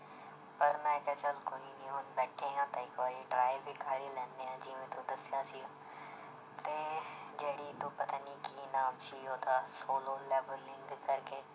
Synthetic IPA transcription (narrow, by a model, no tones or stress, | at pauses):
pɐɾnãɪkɐt͡ʃɐlkoːinĩɦʊnbɛːʈʰeɦãt̪ɐɪkʋaːɾiʈɾaːɪbʱikʰaːɾilɛ̃ːnːeãːd͡ʒiːʋẽt̪od̪ɐsɪjãːsijõ | t̪ed͡ʒeːɽit̪opɐt̪anikinaːmt͡ʃijot̪ʰaːsoːloleːbəlːɪ̃ŋɡkːɐɾkeː